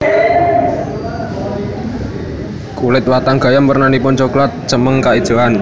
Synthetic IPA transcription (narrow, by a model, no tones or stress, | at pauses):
kulɪt̪̚wat̪aŋɡ̥a̤jampərnanipʊnt͡ʃoklat̪̚t͡ʃəməŋkaid̥ʒ̥o̤an